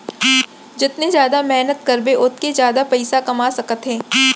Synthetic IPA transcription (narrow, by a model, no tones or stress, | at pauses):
d͡ʒɪt̪nezjaːd̪amɛɦnət̪kɐɾbeʔʊt̪̚kezjaːd̪apɐɪsakɐmaːsɐkət̪ɦɛ̃ː